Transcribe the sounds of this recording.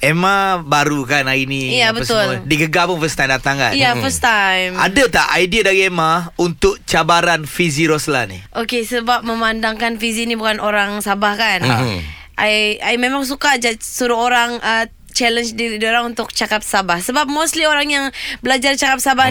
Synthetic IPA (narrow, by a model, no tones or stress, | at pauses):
emabaɾukanainiijabəəst̪ʊldiɡəɡapʊnfəst̪ajmdat̪aŋka̰njafəst̪ajmadat̪aʔajdiədaɾiemaunt̪ʊk̚t͡ʃabaɾanfiziɾosla̰nḭʔokesəbap̚məmandaŋkanfizinibukanʔoɾaŋsabahkan | ʔajajmemaŋs̬ukad͡ʒasuɾuoɾaŋə | t͡ʃɛlənt͡ʃdiɾdioɾaŋunt̪ʊk̚t͡ʃakap̚sabahsəbap̚most̪lioɾaŋjaŋbəlad͡ʒart͡ʃakap̚sabah